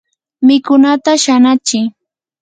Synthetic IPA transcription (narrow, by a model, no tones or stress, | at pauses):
mɪkʊnat̪aʃanat͡ʃɪ